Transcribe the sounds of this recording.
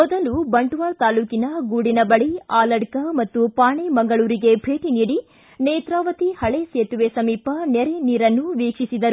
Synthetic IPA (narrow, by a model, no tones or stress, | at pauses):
mɔd̪ɐlubɐɳʈuʋaːlt̪aːluːkinɐɡuːɽinɐbɐɭiaːlɐɽkɐmɐt̪ːupaːɳemɐŋɡɐɭuːɾiɡe̞bʱe̞ːʈiniːɽi | neːt̪ɾaːʋɐt̪ihɐɭeseːt̪uʋesɐmiːpɐnɛɾeniːɾɐnːuʋiːkʂisid̪ɐɾu